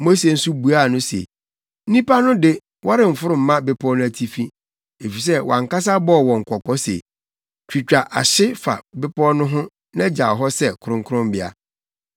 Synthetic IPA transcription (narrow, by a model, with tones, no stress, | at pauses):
mo˦se˦˨n̩˦su˦bu˨a˦˨nʊ̃˦sḛ˨ | n̩˦nĩ˦pa˦nʊ̃˦dɪ˦ | wʔa˦ɾɪ̃˨m̩˨fʊ˦ɾʊ̃˨m̩˨˦mã˦bɪ˦pʰɔ˦nʊ̃˦æ˨tʰi˦fĩ˦ | e˨fi˨s̬ɛ˦wʔã˨ŋ˨ka˦s̬a˦bɔ˦˨wɔ̃˨ŋ̩˨kʰɔ˨kɔ˦sḛ˨ | t͡ɕᶣi˨t͡ɕᶣa˨ʔa̰˨ɕɪ˦fa̰˨bɪ˦pʰɔ˦nʊ̃˦ɦʊ̃˦ | nã˦d͡ʑa˨ɔ˨ɦɔ˦sɛ˦˨kʰʊ˨ɾʊ̃˦ŋkʰʊ˦ɾʊ̃˦mbɪ˦a̰˨